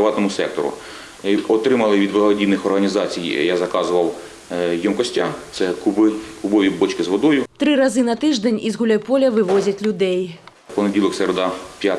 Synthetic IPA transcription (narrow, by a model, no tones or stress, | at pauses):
ɪʋɑt̪nɔmʊsɛk̚t̪ɔɾʊ̰ | ɔt̪ɾɪmɐlˠɪʋʲid̪ʋɐɦˠɐdʲid̪nɪxɔrɦɐnʲizɑt͡sʲijjazɐkɑzʊʋɐw | jɔmkɔsʲtʲa̰t̪sɛkʊbɪkʊbɔʋʲibɔt͡ʃkɪzʋɔd̪ɔjʊt̪ɾɨɾazɨnɐt̪ɪʐd̪enʲizɣulʲɐpɔlʲɐʋɪʋɔzʲɐt͡sʲlʲud̪ɛj | pɔnedʲilˠɔkseɾed̪ɑpʲja